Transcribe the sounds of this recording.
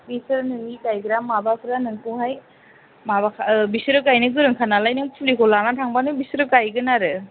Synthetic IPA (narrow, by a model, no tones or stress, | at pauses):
bisɯɾnɯnidajɡɾamːabapʰɯɾanɯŋpʰuhaj | mabakʰbisɯɾɯkajnɯɡɯɾɯŋkʰanalajnɯŋpʰulikʰɔlanatʰaŋbanɯbisɯɾɯkajɡɯnaɾɯ